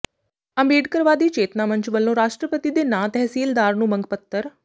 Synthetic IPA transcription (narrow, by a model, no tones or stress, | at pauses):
əmbeːɖkəɾʋaːd̪iːt͡ɕeːt̪namənt͡ɕbəlːõɾaːʂʈɾəpət̪id̪enat̪ɛɦsiːld̪aːɾnuːməŋɡpət̪ːəɾ